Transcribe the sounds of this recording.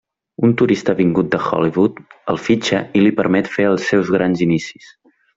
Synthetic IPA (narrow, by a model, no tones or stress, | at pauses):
unt̪uɾist̪əβiŋɡut̪̚d̪əxɔ̰liβut̪əlˠfid͡ʒəilipəɾmɛt̪feəlˠsːɛwzɣɾanzinisi̥s